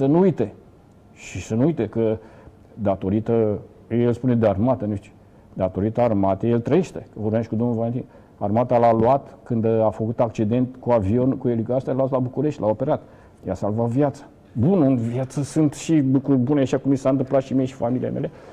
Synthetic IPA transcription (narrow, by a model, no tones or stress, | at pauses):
sənuujt̪e̞ | ʃisənuujt̪ekə | d̪at̪o̞ɾit̪ə | ejelspune̞d̪earmat̪ənut͡ʃi̥ | d̪at̪o̞ɾit̪əːrmat̪ejelt̪ɾəjeʃt̪ekəvorbaʃikud̪omnulvalet̪in | armat̪alaluat̪kɨnd̪afəkut̪ak̚t͡ʃid̪e̞nt̪kuavio̞nkuelikast̪ajlat̪labukuɾe̞ʃt̪ʲlao̞pe̞ɾat̪ | jasalvat̪vjat̪sə̥ | bunɨnvjat̪səsɨnt̪ʃilukɾurʲbuneaʃakumisaɨnt̪̬ɨmplat̪ʃimieʃi̥familiḛme̞le